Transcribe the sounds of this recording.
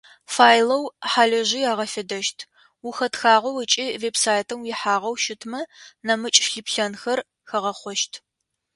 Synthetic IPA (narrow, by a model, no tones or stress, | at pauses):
faːjlɐwħaːɮɐʒɪjaːʁɐfɐdɐʃtʰ | uxɐtxaːʁɐwɐt͡ʃʼiːveːbsaːjtʰɐmjɪħaːʁɐwʃɪtʰmɐnɐmɨt͡ʃʼɬɨpɬɐnxɐr | xɐʁɐχʷɔʃtʰ